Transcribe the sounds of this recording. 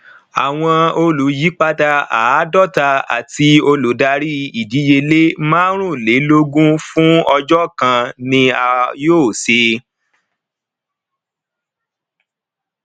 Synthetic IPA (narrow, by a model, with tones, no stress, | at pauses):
a˨w̃ɔ̃˧o˧lu˨˦ji˨˦k͡pa˦da˧a˨˦dɔ˦˨ta˧a̰˨ti˧o˧lu˨da˧ɾi˦i˨di˨˦je˧le˦mãː˦ɾ̃ũ˦˨le˨˦lo˦ɡũ˦fũ˦ɔ˧d͡ʒɔ˦kã˧nĩ˧a˧joː˦˨se˧